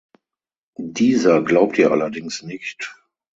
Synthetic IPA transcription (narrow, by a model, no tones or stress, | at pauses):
diːzɐɡlaʊp̚tʰiːɐʔa̰lɐdɪŋsnɪçt